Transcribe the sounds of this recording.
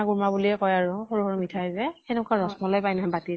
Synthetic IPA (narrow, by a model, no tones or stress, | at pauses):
aɡuɹmabuliɛkɔjaɹuxoɹuhoɹumitʰajzɛɛnʊkaɹɔsmɔlɔjpajnaɦɛbati